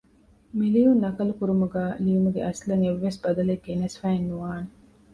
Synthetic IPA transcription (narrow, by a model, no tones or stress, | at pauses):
milijunːɐkɐlukuɾumuɡæːliːumuɡḛʔɐslɐŋeʋːesbɐd̪ɐleɡenɐsfæːenːuʋaːne